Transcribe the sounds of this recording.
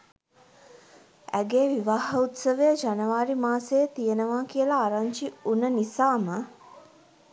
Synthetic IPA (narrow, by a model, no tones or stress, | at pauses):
æ̰ɡeːʋiʋaːɦɐut̪səʋəjəd͡ʒanəʋaːɾimaːsejət̪ijənəʋaːkijəlaːɾaɲt͡ʃiunənisaːmə